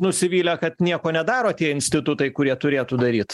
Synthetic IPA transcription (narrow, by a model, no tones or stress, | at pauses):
nʊsʲɪʋʲiːlʲɛkɐt̪nʲiɛkoːnʲɛd̪ɑːɾoːt̪ʲiɛɪnʲsʲt̪ʲɪt̪ʊt̪ɐɪkʊɾʲiɛt̪ʊɾʲeːt̪uːd̪ɐɾʲiːt̪